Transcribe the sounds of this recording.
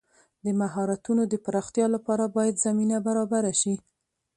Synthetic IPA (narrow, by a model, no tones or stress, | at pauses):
d̪əmaɦɑɾat̪unod̪əpaɾɑxt̪jɑlapɑɾabɑjad̪zaminabaɾɑbaɾaʃi